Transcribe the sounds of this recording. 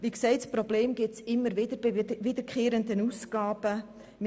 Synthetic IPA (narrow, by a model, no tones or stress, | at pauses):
ʋiːksɛɪtspɾɔbleːmɡ̥ɪt͡sɪmːəɾʋɪd̥əɾʋɪd̥̪əɾkʰχeːɾənd̪ənuːsɡ̥ɑːb̥ə | m